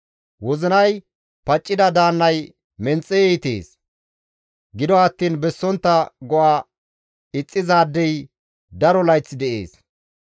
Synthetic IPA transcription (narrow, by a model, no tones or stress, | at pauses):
wɔzɪnɐj | pɐt͡ʃʼːɪd̪ɐd̪aːnːɐj | mɛnt͡sʼːɛjɛjt̪ḛːs | ɡɪd̪ɔɐt̪ːiːnbɛsːɔnt̪ːɐɡɔʔaː | ɪt͡sʼːɪzaːd̪ːɛj | d̪ɐɾɔlɐjt͡sːd̪ɛʔḛːs